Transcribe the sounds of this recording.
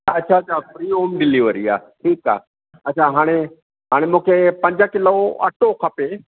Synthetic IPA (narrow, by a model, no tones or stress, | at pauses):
ɐtːt͡ʃʰaɐt͡ɕʰafɾiːɦoːmɖɪliʋəɾia̰ːʈʰiːka̰ː | ɐtːt͡ʃʰaɦaːɽ̃e | ɦaːɽ̃emũːkʰepɐ̃ɲd͡ʑəkɪloɐ̰ʈokʰɐpe